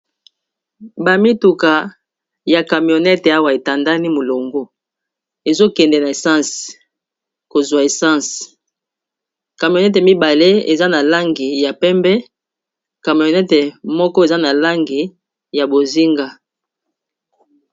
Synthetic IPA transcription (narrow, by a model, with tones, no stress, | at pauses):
ba˨mi˦tu˨ka˨ | ja˨ka˨mjo˨nɛ˦tɛ˨a˦wa˨e˨ta˨nda˦ni˦mo˨lo˨ŋɡo˦ | e˨zo˦kɛ˨ndɛ˨na˨e˨sã˦˨s | ko˨zwa˨e˨sã˦˨s | ka˨mi˨o˨nɛ˦t̬ɛ˨mi˦ba˨le˦e˨za˦na˨la˦ŋɡi˨ja˨pɛ˦mbɛ˦ | ka˨mi˨o˨nɛ˦tɛ˨mɔ˦kɔ˦e˨za˦na˨la˦ŋɡi˨ | ja˨bo˨zi˦ŋɡa˦